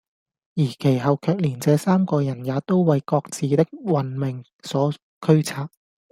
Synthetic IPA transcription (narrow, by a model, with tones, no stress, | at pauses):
jiː˨˩kʰe˨˩jɦɐ˨wkʰœː˨˧k̚liː˨˩nt͡sɛː˨˧saː˥mkɔː˧jɐ˨˩njaː˨˧t̪o˥wwɐ˨˧jkɔː˧k̚t͡siː˨t̪ɪ˥k̚wɐ˨nmɪ˨ŋ | sɔː˨˥ | kʰɵ˥ɥt͡sʰaː˧k̚